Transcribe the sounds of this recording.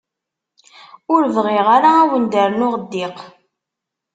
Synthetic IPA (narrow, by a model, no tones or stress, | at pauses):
ʊɾvʁɪʁaɾaːwənd̪əɾnʊʁəd̪ːɪq